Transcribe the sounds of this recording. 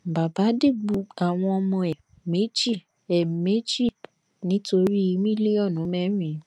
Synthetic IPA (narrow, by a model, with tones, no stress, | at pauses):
ba˨ba˨˦de˦˨ɡ͡bu˧˨a˨w̃ɔ̃˧ɔ˧mɔ̃˧ɛ˨ | me˦d͡ʒi˦˨ | ɛ˨me˦d͡ʒi˦˨k | nĩ˦to˧ɾi˦i˧mĩ˦le˦ɔ˦˨nũ˨˦mɛ˦mĩ˨˦